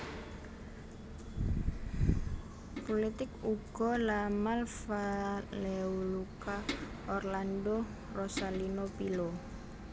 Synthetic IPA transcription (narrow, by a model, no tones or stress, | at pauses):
polit̪ɪkuɡ̥ɔlamalfalɛuluka | ɔrlando | rɔsalinopilo